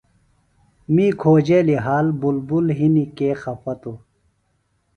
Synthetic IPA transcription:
miːkʰoːd͡ʑeːliɦaːlbulbulɦinikeːxɐpɐt̪u

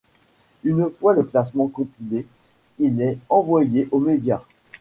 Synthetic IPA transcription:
ynfwaləklasmɑ̃kɔ̃pile | ilɛɑ̃vwajeʔomed̪ja

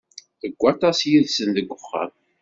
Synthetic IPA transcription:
əɡʷːɑt̪ˤɑsjiðsənd̪əɡʷːʊχːɑ̰m

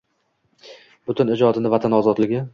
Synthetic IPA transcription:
b̥ʊt̪ʊnɪd͡ʒɒd̪ɪnɪvat̪ʰanɒzɒd̪lɪɡʲɪ

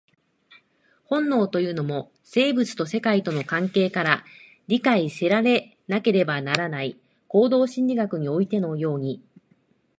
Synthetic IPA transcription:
hõ̞nːo̞ːt̪o̞jɯ̟ːno̞mo̞ | se̞ːbɯt͡sɨ̥t̪o̞se̞kait̪o̞no̞kãŋke̞ːkaɾa | ɾʲikaise̞ɾaɾe̞ | nake̞ɾe̞banaɾanai | ko̞ːd̪o̞ːɕĩɲʲdʲiɡakɯ̟ɲ̟io̞it̪e̞no̞jo̞ːɲ̟i

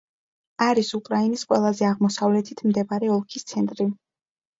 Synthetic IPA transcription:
aɾisukʼɾainisqʼwɛlˠazɛaʁmɔsavlɛt̪ʰit̪ʰmd̪ɛbaɾɛɔlˠkʰist̪sʰɛnt̪ʼɾi

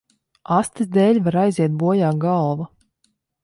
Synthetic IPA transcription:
ast̪ɨzd̪eːlʲvaɾajzʲiɛt̪̚buɔjaːɡɑlˠva

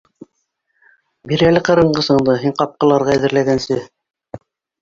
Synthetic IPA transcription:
biɾælɘqɤ̆ɾɤ̆ɴɢɤsɤ̆ɴd̪ɤɦiɴqɑp̚qɤ̆lˠɑɾʁɑæðɘ̆ɾlæɡænsɘ

